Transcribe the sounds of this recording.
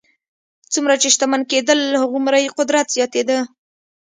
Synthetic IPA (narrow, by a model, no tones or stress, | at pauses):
t͡sumɾat͡ʃeʃt̪amanked̪əlhaɣumɾajqʊd̪ɾat̪z̥jɑt̪ed̪ə